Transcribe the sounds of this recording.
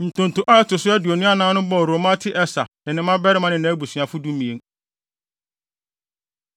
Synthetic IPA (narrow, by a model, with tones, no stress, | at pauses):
n̩˨tʰʊ̃˨n̩˨tʊ̃˨ʔa˦tʊ˨sʊ˦ɛ˦dʊ˨o˨nũ˦a˦nãː˦nʊ̃˦bɔ˦˨ɾo˨mã˦tʰɪ˦ʔɛ˦sa˨nɪ̃˨nɪ̃˦mã˦bɛ˦ɾɪ˦mã˦nɪ̃˨nã˨˦bu˨sɥã˨fʊ˦dũ˦mĩ˨ẽ˨ŋ